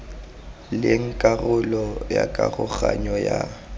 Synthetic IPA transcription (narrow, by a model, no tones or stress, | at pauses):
leŋ̩kʼarʊlɔjakʼaɣʊɣaɲɔja